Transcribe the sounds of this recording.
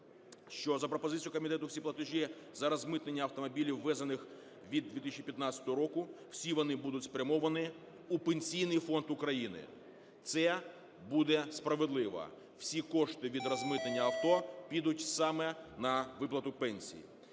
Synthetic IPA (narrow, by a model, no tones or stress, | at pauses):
ʃt͡ʃɔzɐpɾɔpɔzɪtʲt͡sʲijʊkɔmʲit̪ɛt̪ʊwsʲiplˠɐt̪ɪʒʲizɐɾɐzmɪt̪nenʲːɐɐwt̪ɔmɔbʲilʲiwːɛzɐnɪx | ʋʲid̪ːʲit̪ɪsʲt͡ʃipʲjɐt̪nat͡sʲsʲɐ̥t̪ɔɦɔɾɔkʊw̥sʲiʋɔnɪbud̪ʊtʲspɾʲɐmɔʋɐnɪ | upenʲsʲijnɪjfɔnt̪ʊkɾɐjinɪ̰ | t̪sɛ | bud̪ɛspɾɐʋed̪lˠɪʋɐ̰ | w̥sʲikɔʃt̪ɪʋʲid̪rɐzmɪt̪nenʲːɐɐwt̪ɔpʲid̪ʊtʲsɑmɛnɐʋɪplˠɐt̪ʊpɛnʲsʲḭjḭ